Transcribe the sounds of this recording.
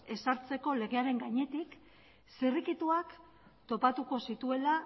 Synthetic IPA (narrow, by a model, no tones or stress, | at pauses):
e̞saɾt͡se̞ko̞le̞ɣe̞aɾe̞ŋɡaɲe̞t̪ik | sirikit̪uak | t̪o̞pat̪uko̞sit̪ue̞la